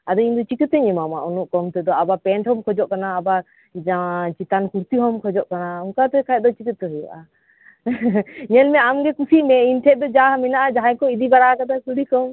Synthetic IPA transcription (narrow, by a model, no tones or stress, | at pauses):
ad̪ɔind̪ɔt͡ʃikət̪ɛɲɛmamaʔunuʔkɔmt̪ɛd̪ɔabapɛɳʈhɔmkʰɔd͡ʒɔʔkanaːba | d͡ʒat͡ʃit̪ankuɾt̪iɦɔmkʰɔd͡ʒɔʔkanaɔŋkat̪ɛkʰaˀd̪ɔt͡ʃikət̪ːɛɦɔja̰ʔa | ɲɛlmɛamɡɛkusiʔmɛinʈʰɛʔ̚d̪ɔd͡ʒaɦmɛnaʔad͡ʒaɦãjkɔid̪ibaɾakad̪asuɽikɔm